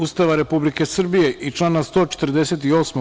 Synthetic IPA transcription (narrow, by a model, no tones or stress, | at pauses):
ust̪aʋaɾe̞publike̞sr̩bije̞ʔit͡ʃlˠaːnast̪o̞ːt͡ʃe̥t̪r̩d̪ese̞t̪io̞ːsmo